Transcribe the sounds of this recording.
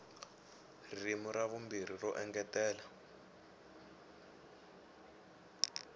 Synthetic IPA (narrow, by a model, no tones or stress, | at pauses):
rimuɾaβumbir̤irɔʔɛŋɡɛtɛːla